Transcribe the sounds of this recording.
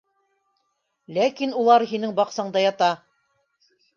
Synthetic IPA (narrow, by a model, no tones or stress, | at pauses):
lækinulˠɑɾɦinɘŋbɑqsɑɴd̪ɑjɑt̪ɑ